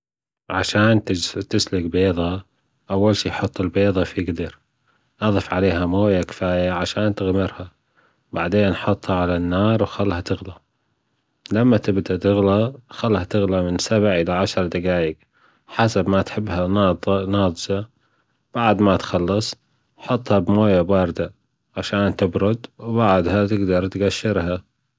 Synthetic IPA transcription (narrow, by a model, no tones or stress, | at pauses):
ʕa̰ʃaːnt̪ɪslɪɡbeːðˤɑ | ʔawːalʃiːjħʊt̪ˤːɪlbeːðˤɑfiɡd̪ɪɾ | ʔɑðˤɨfʕaleːɦamoːjakɪ̥faːjaʕaʃaːnt̪ɪɣmɪɾha | baʕd̪eːnːħʊt̪ˤhɑʕalanːɑːɾˤwxalːhat̪ɪɣla | lamːat̪ɪbd̪at̪ɪɣlaxalːhat̪ɪɣlamɪnsabʕʔɪlaʕaʃɾˤd̪aɡaːjɪk | ħasabmat̪ħɪbːhanɑːd̪ˤzɑ | b̥aʕd̪mat̪xɑlːɨsˤ | ħɑt̪ˤːhɑbmoːjabɑːɾˤd̪a | ʕaʃaːnt̪ɪbɾʊd̪wbaʕd̪hat̪ɪɡd̪ɑɾˤt̪ɡaʃːɪɾha